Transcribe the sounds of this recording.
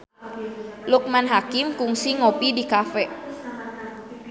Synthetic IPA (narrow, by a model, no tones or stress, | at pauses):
luk̚manɦakimkuŋsiŋopidikafɛ